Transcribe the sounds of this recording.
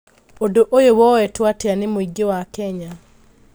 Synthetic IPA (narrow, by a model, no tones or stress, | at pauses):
odoʔojowɔwɛtwateanemoiɡewakɛɲa